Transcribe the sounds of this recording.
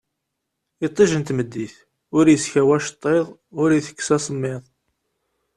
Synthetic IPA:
it̪ˤːiʒənt̪məd̪ːiθ | ʊɾjəsçæwæʃt̪ˤːeðˤʊɾjiθə̥kːsæsˤəmːɪðˤ

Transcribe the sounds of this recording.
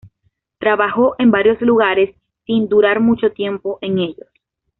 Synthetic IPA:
t̪ɾaβaxo̞ʔe̞mbaɾjo̞sluɣaɾe̞sː | ind̪uɾaɾmut͡ʃo̞t̪je̞mpo̞ʔe̞ŋe̞ʎos

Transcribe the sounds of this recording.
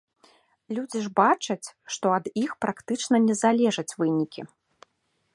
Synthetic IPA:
lʲud͡zʲiʐbat͡ʂɐt͡sʲʂt̪ɔɐd̪ixpɾakt̪ɨt͡ʂnɐnʲɛzalʲɛʐɐt͡sʲvɨnʲikʲi

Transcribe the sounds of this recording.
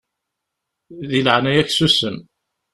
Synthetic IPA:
ðiləʕnæjæçsusən

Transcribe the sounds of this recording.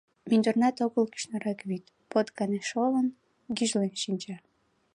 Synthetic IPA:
minʲd̪ornɑt̪oɣəlki̥ʃnɑɾɑkβit̪ | pot̪kɑneʃolən | ɡiʒlenʃinʲt͡ɕɑ

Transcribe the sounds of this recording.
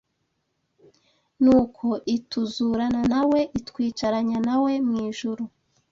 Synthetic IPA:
nuːkʰo̞ʔituzuɾananawe̞ʔitkwiːt͡ʃaɾaɲanawe̞mŋiːʒuɾu

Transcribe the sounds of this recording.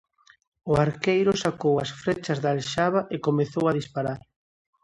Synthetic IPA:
ʊaɾkejɾʊsakowɐsfɾet͡ʃɐzðalʃaβaʔekomeθowaðispaɾaɾ

